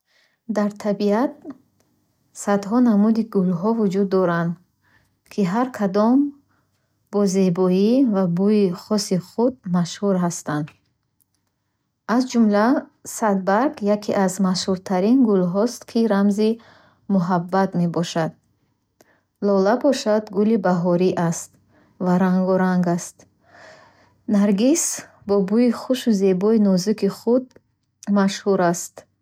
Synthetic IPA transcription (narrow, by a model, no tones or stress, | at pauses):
d̪aɾt̪ʰabiat̪̚ | sad̪ɦɔnamud̪iɡulɦɔvud͡ʒud̪ːɔɾand̪ | kʰiɦaɾkʰad̪ɔm | b̥ɔzebɔivabujiχɔsiχud̪̚maʃhuɾɦast̪and̪ | azd͡ʒumlasad̪̚baɾɡjakʰiʔazmaʃhuɾt̪ʰaɾinɡulɦɔst̪kʰiɾamzi | muɦabːat̪me̞bɔʃad̪̚ | lɔlabɔʃad̪ɡulibaɦɔɾiʔast̪ | vaɾaŋɡɔɾaŋɡast̪ | naɾɡis | bɔbuiχuʃuze̞bɔinɔzikʰiχud̪̚ | maʃhuɾast̪